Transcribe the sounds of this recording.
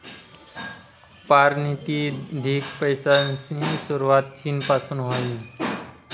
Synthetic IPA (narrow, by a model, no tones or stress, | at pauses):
paːɾniːt̪id̪ʱiːkpəɪsasĩsʊɾuwaːt̪̚t͡ʃʰiːnpaːsə̃nd̪ɦoĩ